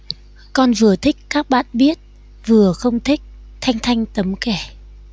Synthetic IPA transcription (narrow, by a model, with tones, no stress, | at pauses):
kɔ˧nvɨ˨˩ət̪ʰï˦˥k̚kaː˦˥k̚ɓa̰ː˧˨nɓi˦˥ət̚ | vɨ˨˩əxə˧wŋ͡mt̪ʰï˦˥k̚ | t̪ʰa˧jŋ̟t̪ʰa˧jŋ̟t̪ə˨˦mkɛ˧˩